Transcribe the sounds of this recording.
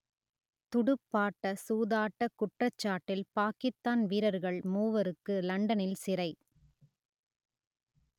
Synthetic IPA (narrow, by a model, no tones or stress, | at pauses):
t̪ʊɽɯpːaːʈːɐsuːðaːʈːɐkːʊʈrɐt͡ʃːaːʈːɪlpaːkɪst̪ːaːnʋiːɾɐɾɣɐɭmuːʋɐɾɯkːɯlɐɳɖɐnɪlsɪɾɐɪ